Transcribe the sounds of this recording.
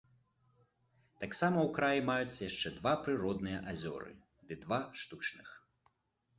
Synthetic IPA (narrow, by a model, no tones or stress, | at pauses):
t̪aksamɐwkɾajimajut̪sʲjaʂt͡ʂɛd̪vapɾɨɾɔd̪nɨjɐʔazʲɔ̰ɾɨ̰ | d̪ɨd̪vaʂt̪ut͡ʂnɨx